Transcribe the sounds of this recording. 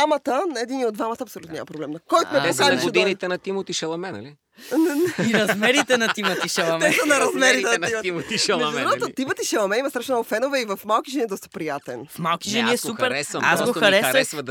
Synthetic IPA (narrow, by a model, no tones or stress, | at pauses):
amət̪ənɐɛd̪iniod̪vamɐt̪ɐpsolʲut̪onʲɲa̰mɐpɾoblɛmnɐkɔjt̪omɛpokazɐʃɛd̪init̪ɛnɐt̪imot̪iʃɛlˠɐmɛnɐ̰li | nɛɛiɾɐzmɛɾit̪ɛnɐt̪imɐiʃɛlˠɐmɛsɐnɐɾɐzmɛɾit̪ɛnɐimot̪imot̪iʃɛlɛɾɔt̪ot̪imət̪iʃɛlˠɐmɛimɐsɾaʃɛnalfɛnovɛivɐfmalˠk̟iʒɛniɛd̪ɔst̪ɐ̥pɾijat̪ɛnfmalˠkiʒɛniɛsupɛɾɛasɡoxɐɾɛsɛsvɐ